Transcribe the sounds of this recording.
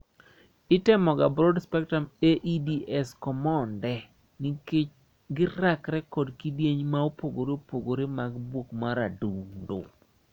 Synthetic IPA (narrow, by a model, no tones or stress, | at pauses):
ɪtɪmɔɡabɾɔdspɛk̚tameʔidiɛskɔmɔndɛ | nɪke | ɡɪɾakɾɛkɔdkidjeɲmaopoɡoɾeopoɡoɾemaɡbwokmaɾadundo̰